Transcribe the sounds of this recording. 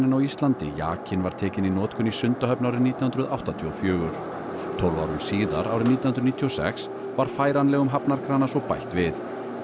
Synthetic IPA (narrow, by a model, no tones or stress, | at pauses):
nɪnawist̪lant̪ɪ̰ja̰ːcʰɪnvaɾ̥t̪ʰɛːcɪninɔːt̪kʰʏnisʏnt̪aɦœpnawɾɪniːt̪jhʏnɾʏðawht̪at̪ʰiɔfjœːɣʏɾ̥ | t̪ʰɔwlvawɾʏmsiːða̰ɾawɾɪniːt̪janhnɾniːt̪ʰːiɔsɛ̰ks | vaɾ̥faːjɾanlɛɣʏmɦapnaɾkɾaːnasɔɣpajht̪vɪθ